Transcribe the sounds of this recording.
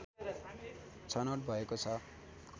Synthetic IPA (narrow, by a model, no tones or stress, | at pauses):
t͡sʰʌnoʈ̚bʱʌekot͡sʰʌ